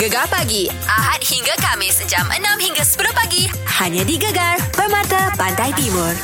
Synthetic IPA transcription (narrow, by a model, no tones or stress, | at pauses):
ɡəɡalpaɡiʔaɦat̪̚hiŋɡakamɪsəd͡ʒamʔə̰nãmhiŋɡasə̥pəlohpaɡi | haɲãdiɡəɡarpərmãt̪apandajt̪imʊr